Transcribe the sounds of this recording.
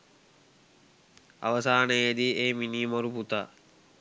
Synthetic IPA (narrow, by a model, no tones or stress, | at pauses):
a̰ʋəsaːnəjed̪ieːminimoɾuput̪a